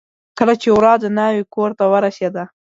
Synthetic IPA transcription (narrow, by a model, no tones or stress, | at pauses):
kəlat͡ʃewɾɑd̪ənɑwikoɾt̪awəɾased̪a